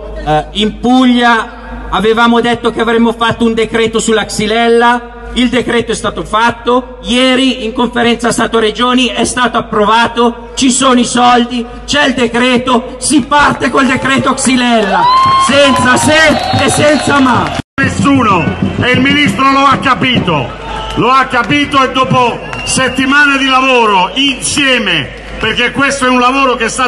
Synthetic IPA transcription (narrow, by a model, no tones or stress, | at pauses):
impuʎːa | avevaːmod̪et̪ːok̟eavɾɛmːofat̪ːound̪ekɾeːt̪osulːaksilɛlːa | ild̪ekɾeːt̪oɛst̪aːt̪ofat̪ːo | jɛːɾiiŋkoɱfeɾɛnt̪sast̪aːt̪oɾed͡ʒoːniɛst̪aːt̪oapːɾovaːt̪o | t͡ʃisoːnoisɔld̪i | t͡ʃɛld̪ekɾeːt̪o | sipart̪ekold̪ekɾɛːt̪oksilɛlːasɛnt̪saseesːɛnt̪samanesːuːnoeilminist̪ɾoloakːapiːt̪o̰ | loakːapiːt̪oed̪ːoːposet̪ːimaːned̪ilavoːɾoinsjɛːme | perk̟ːekːwest̪oɛunlavoːɾok̟est̪a